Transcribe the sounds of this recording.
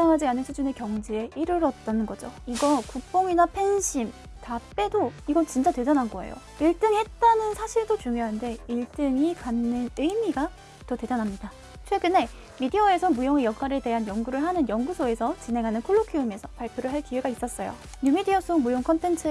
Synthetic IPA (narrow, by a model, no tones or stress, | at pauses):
aŋɦad͡ʑianɯnsʰud͡ʑune̞kjʌŋd͡ʑie̞iɾɯɾʌt̚t͈anɯnɡʌd͡ʑo̰iɡʌkuk̚p͈oŋinapʰe̞nɕʰim | tap͈e̞doiɡʌnt͡ɕint͡ɕ͈ate̞danɦanɡʌe̞̰jo̰ | iɭt͈ɯŋihe̞t̚t͈anɯnsʰaɕʰiɭdot͡ɕuŋjoɦande̞iɭt͈ɯŋikanːɯnɯjmiɡa | tʌte̞danɦamɲida | t͡ɕʰwe̞ɡɯne̞ | midiʌe̞sʰʌmujoŋejʌkʰaɾe̞de̞ɦanjʌŋɡuɾɯɭɦanɯnjʌŋɡusʰoe̞sʰʌt͡ɕine̞ŋɦanɯnkʰoɭːokʰiume̞sʰʌpaɭpʰjoɾɯɭɦaɭkiweɡais͈ʌs͈ʌjo̰ | ɲumidiʌs͈ʰomujoŋkʰʌntʰe̞nt͡ɕʰɯ